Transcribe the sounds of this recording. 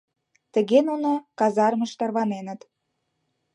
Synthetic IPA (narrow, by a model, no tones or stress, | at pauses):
t̪ə̆ɣenunokɑzɑrmə̆ʃt̪ɑrβɑnenə̆t̪